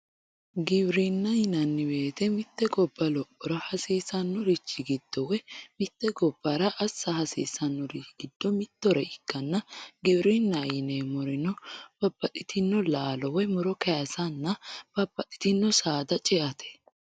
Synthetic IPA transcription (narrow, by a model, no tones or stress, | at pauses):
ɡɪbɾinːɐjɪnɐnːɪbe̞ːt̪ɛmɪt̪ːɛɡɔbːɐlɔpʼːɔɾɐhɐsiːsɐnːɔɾɪt͡ʃːɪɡɪd̪̥ːɔwɛmɪt̪ːɛɡɔbːɐɾɐʔɐsːɐhɐsḭːsɐnːɔɾiɡ̥ɪd̪̥ːɔmɪt̪ːɔɾɛɪkːɐnːɐɡɪbɾinːɐjɪneːmɔɾɪnɔb̥ɐbːɐt̪ʼɪt̪ɪnːɔlaːlɔwɛmɔɾɔkɐjɐsɐnːɐb̥ɐbːɐt̪ʼɪ̥t̪ɪnːɔsaːd̪ɐt͡ʃʼɛʔɐt̪ʰɛ̥